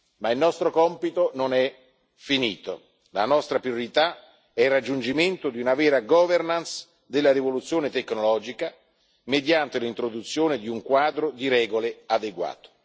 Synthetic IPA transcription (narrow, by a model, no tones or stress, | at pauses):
mailnɔst̪ɾokɔmpit̪ononɛ | finḭːt̪o̰ | la̰nɔst̪ɾapɾjoɾit̪a | ɛirad͡ʒːund͡ʒiment̪od̪iunavɛːɾaɡɔːvernans | d̪elːaɾivolut̪sːjoːnet̪ekːnolɔːd͡ʒika | med̪jant̪elint̪ɾod̪ut̪sːjoːned̪iuŋkwaːd̪ɾod̪iɾɛːɡolead̪eɡwa̰ːt̪o̥